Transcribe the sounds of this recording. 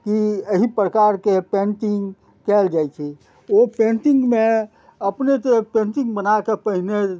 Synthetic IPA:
kiəɦipɾəkaɾkepẽnʈiŋɡ | kɛld͡ʒajt͡ʃʰɛ | openʈĩŋɡme | əpnet̪epẽnʈĩŋɡbənakepəɦine

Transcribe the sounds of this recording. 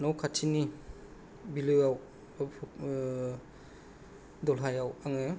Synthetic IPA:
nawkʰatʰini | bilejawʰ | dɔlɦajawaŋe

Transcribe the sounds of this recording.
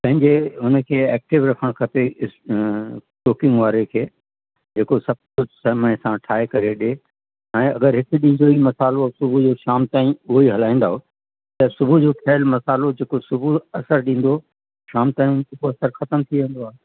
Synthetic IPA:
pɐ̃ɦɪ̃ɲd͡ʑeɦʊnə̆kʰeːɛːk̚ʈɪʋɾɐkʰəɽ̃kʰɐpeɪ | ʈoːkɪ̃ŋɡʋaːɾekʰeː | d͡ʑeːkosɐb̚kʊd͡ʑʱsɐɦmə̃sãʈʰaːekɐɾeɗe | ɛ̃ːɐɡəɾɦɪkɗĩːnd̪oimɐsaːlosʊbʱud͡ʑoːʃaːmt̪aːĩʊɦiɦɐlaːĩnd̪aːɦo | t̪ɐsʊbʱud͡ʑoːkʰɛːlmɐsaːlod͡ʑeːkosʊbʱuɐsəɾɗĩːn̆d̪o | ʃaːmt̪aːɦĩʊnseboɐsəɾxɐt̪əmt̪ʰiʋẽːnd̪oaːɦe

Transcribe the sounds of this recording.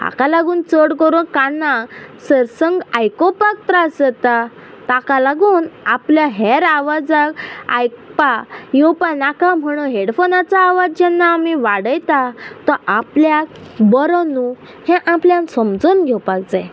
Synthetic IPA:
a̰kalaɡuːnt͡səɽkəɾuːnkanːasəɾsə̃ŋɡajkopak̚t̪ɾasət̪a | t̪akalaɡuːnapljaɦɛɾaʋad͡zaka̰jkpajowpanakam̤əɽ̃uɦeɽfonat͡saːʋad͡zd͡ʑɛnːaːmiʋaɽəjt̪at̪ɔʔapljak̚bɔɾɔnu | hɛ̃ʔãpljãnsəmd͡zuːnɡʱɛwpak̚d͡zaj

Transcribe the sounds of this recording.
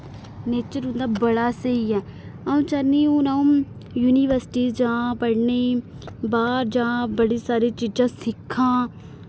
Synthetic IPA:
neːt͡ʃəɾʊ̃nd̪aːbəɽaːsəiːɛː | aũːt͡ʃəɾniːũːnaũ | juːniːʋəɾsɪ̥ʈiːd͡ʒãːpəɽneː | baːɾd͡ʒãːbəɽeːsaːɾeːt͡ʃiːd͡ʒãːsɪkʰːãː

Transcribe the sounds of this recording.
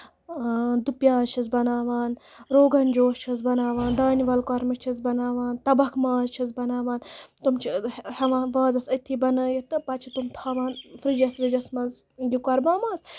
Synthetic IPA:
d̪upjaːt͡ʃʰɐzbɐnaːʋaːnɾoːɡɐnd͡ʒoːst͡ʃʰɐzbɐnaːʋaːnd̪aːniʋɐlkɐɾmɐt͡ʃʰɐzbɐnaːʋaːnt̪ɐbɐkʰmaːzt͡ʃʰɐzbɐnaːʋaːnt̪umt͡ʃʰihɐʋãːʋaːzɐsɐt̪ʰibɐnɐjit̪ɨpɐt͡ʃʰit̪umt̪ʰaːʋaːnfɾid͡ʒɐsʋɐd͡ʒɐsmɐzjikɐɾmaːmaːs

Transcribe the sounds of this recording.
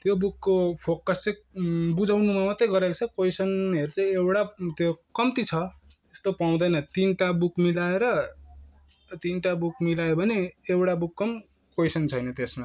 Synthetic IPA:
t̪jobukːopʰokʌst͡sejbud͡zawnumamʌt̪ːejɡʌɾekt͡sʰʌkojsʌneɾut͡saj̃ewɽat̪jokʌmt̪it͡sʰʌ | est̪opaw̃d̪ʌjnʌt̪inʈabukmilaeɾʌ | t̪inʈabukmilajobʱʌneewɽabukːʌm | kojsʌnt͡sʰʌjnʌt̪esma

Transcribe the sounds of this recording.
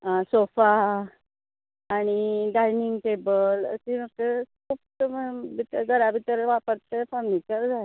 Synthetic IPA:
asofa | ɽ̃iɖainiŋɡʈebələ̰simək̚tekʰuːp̚təəbit̪əɾɡʱəɾabʱit̪əɾʋapəɾt̪efənikəɾd͡zae

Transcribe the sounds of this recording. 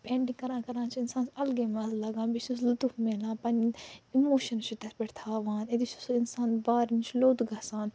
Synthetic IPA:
pẽːɳɖĩŋkɐɾãːkɐɾãːt͡ʃʰiɪnsaːnsɐlɡeːmɐzlɐɡãːbit͡ʃuslut̪ufmeːlãːpɐnimoːʃɐnt͡ʃʰit̪ɐspeʈt̪ʰaːʋãːned̪it͡ʃusɪnsaːnbaːɾint͡ʃʰloːt̪ɡɐːsaːn

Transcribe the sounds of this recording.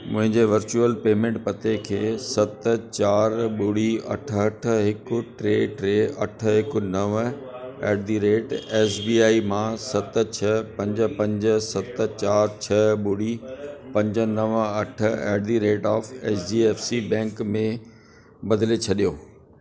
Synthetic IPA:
mʊ̃ɦɪ̃ɲd͡ʑeʋɐɾt͡ɕuəlpeːmẽːɳʈpɐt̪ekʰeːsɐt̪̆t͡ɕaːɾɓʊɽiɐ̰ʈʰəɐʈ̆ʰɦɪkʊ̆ʈɾeːʈɾeɐʈ̆ʰɦɪkʊ̆nɐʋ | ɛːɖd̪iɾeːʈeːsbiːaːimãsɐt̪̆t͡ɕʰɐpɐ̃ɲd͡ʑə̆pɐ̃ɲd͡ʑ̆sɐt̪̆t͡ɕaːɾt͡ɕʰɐɓuɽipɐ̃ɲd͡ʑə̆nɐʋɐʈ̆ʰɛ̰ːɖd̪iɾeːʈaːfeːt͡ɕd͡ʑiːeːfsibɛ̃ːŋkmẽ | bɐd̪ɪlet͡ɕʰɐɗijoː

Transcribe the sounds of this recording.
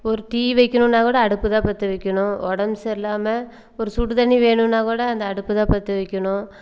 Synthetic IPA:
ɔɾɯʈiːʋɐɪkːɐnɯ̃naːkuːɽɐɐɽɯpːɯt̪ãːpɐɾt̪ːɯʋɐɪkʲːɐɳʊ̃ɔɽɐmsɛlːaːmɐ | ɔɾɯsʊʈːɯt̪ɐɳːiʋeːɳɯ̃naːkuːɽɐɐnd̪ɐːɽɯpːɯt̪ãːpɐɾt̪ːɯʋɐɪkʲːɐɳʊ̃

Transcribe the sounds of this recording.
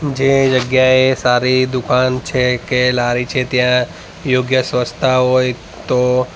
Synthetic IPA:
d͡ʒed͡ʒəɡjaesaɾid̪ʊkant͡ʃʰekelaɾit͡ʃʰet̪jã | joɡjəsʋəst̪ʰaɦoj | t̪o

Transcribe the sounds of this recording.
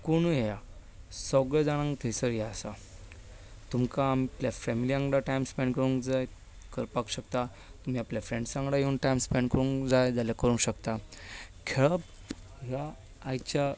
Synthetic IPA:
koɽ̃ujeja | səɡɭɛd͡zaɽ̃ãŋɡt̪ʰəjsəɾjaəsa | t̪umkaːmiapljafemiliãŋɡɽaʈajmspeɳɖkəɾũŋkd͡zaj | kəɾpakɕəkt̪a | t̪um̤iapljafɾẽɳɖsãŋɡɽajeunʈajmspeɳɖkəɾũŋkd͡zajd͡zaljakəɾũnɕəkt̪akʰeɭəp̚ | ɦaː | jt͡ɕa

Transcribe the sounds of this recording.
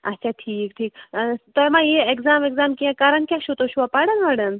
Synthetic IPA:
ɐtːʃʰaʈʰiːkʈʰiːk̚t̪ojmãjeekzaːmekzaːmkiãkaɾɐnkʲjaʃut̪oʃuapaɽɐnmɐɽɐm

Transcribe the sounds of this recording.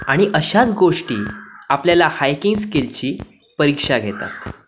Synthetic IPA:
aɽ̃iʔəɕat͡sɡoʂʈḭːapljalahajkiŋɡskilt͡ɕiː | pəɾikʂaɡʱet̪a̰t̪

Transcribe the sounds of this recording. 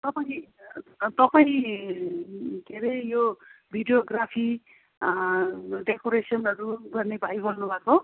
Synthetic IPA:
t̪ʌpaĩ | t̪ʌpaĩ | ɡʱeɾejobʱiɖjoɡrapʰi | ɖekoɾesʌnʌɾuɡʌrnebʱajbʌlnubʱako

